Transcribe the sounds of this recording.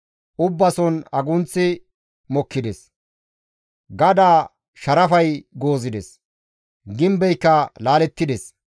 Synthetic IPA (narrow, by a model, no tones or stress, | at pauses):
ʔʊbːɐsɔnɐɡʊnt͡sːɪ | mɔkːɪd̪ɛs | ɡɐd̪aː | ʃɐɾɐfɐjɡoːzɪd̪ɛs | ɡɪmbɛjkːɐlaːlɛt̪ːɪd̪ɛs